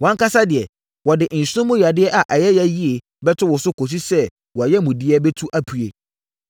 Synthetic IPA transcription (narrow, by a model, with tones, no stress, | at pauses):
wã˨˦ŋ˦ka˦sa˦dɪ˨ɛ˨ | wɔ˨dɪ˨n̩˨sʊ̃˦mʊ̃˦ɥa˨dɪ˦ɛ˦ʔa˨ʔɛ˨jɛ˦jɛ˦ji˦e˨ | bɛ˦tʰʊ˦wʊ˨sʊ˦kʰo˨s̬i˦sɛ˦ | wɔ˨a˨jɛ˦mʊ̃˨dɪ˦ɛ˦bɛ˦tʰu˦ʔa˦pʰu˨e˨